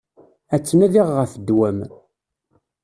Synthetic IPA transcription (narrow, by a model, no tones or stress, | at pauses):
æt͡sːnæðiʁːəfəd̪wæm